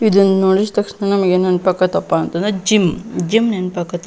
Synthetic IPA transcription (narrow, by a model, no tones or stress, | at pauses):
id̪und̪noɽist̪ɐkʂɳanɐmɐɡenɐnpɐkːɐt̪ɐpːaːnt̪ɐnd̪ed͡ʒimd͡ʒimnenpɐkːɐt̪